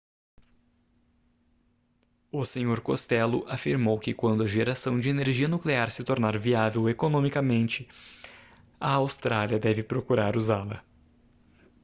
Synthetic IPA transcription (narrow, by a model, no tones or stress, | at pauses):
ʊseɲoɾkost̪ɛlʊʔafiɾmowkɪkwɐ̃nd̪ʊɐʒeɾasɐ̃w̃d͡ʒɪeneɾʒiɐnukleaɾsɪt̪oɾnaɾviavewekonõmikɐmẽnt͡ʃɪ | ɐawst̪ɾaliɐd̪ɛvɪpɾokuɾaɾuzalɐ̰